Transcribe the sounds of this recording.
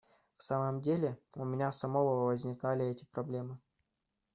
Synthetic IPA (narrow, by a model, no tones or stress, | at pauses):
fsaməmdʲelʲɪʊmʲɪnʲasɐmovəvəzʲnʲɪkalʲɪɛtʲɪ̥pɾɐblʲe̞mɨ